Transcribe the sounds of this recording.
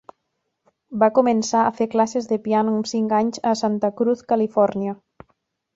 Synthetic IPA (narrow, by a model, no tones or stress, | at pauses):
bakumensaəfeɾklasezðepianuumsiŋkaɲzəsant̪əkɾuθkalifɔɾnja